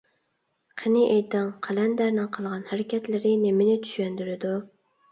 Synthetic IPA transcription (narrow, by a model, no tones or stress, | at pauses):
qʰenɪʔejt̪ɪŋqʰɑlɛnd̪æɾnɪŋqʰəlˠʁɑnhæɾɪkʲɛt̪lɪɾɪnɪmɪnɪt̪ʰy̥ʃjɛnd̪yɾɪd̪u